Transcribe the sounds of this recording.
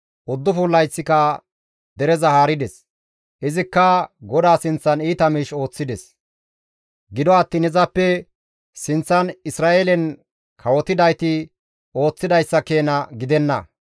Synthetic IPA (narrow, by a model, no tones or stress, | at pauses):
ʔʊd̪ːʊfuːlːɐjsːɪkɐ | d̪ɛɾɛzɐhaːɾɪd̪ɛs | ʔɪzɪkːɐɡɔd̪aːsɪnt͡sːɐniːt̪ɐmiːʃo̞ːt͡sːɪd̪ɛs | ɡɪd̪ɔɐt̪ːiːnɛzɐpːɛ | sɪnt͡sːɐnɪsɾaːʔeːlɛn | kʰɐwɔt̪ɪd̪ɐjt̪ɪ | o̞ːt͡sːɪd̪ɐjsːɐke̞ːnɐɡɪd̪ɛnːɐ̰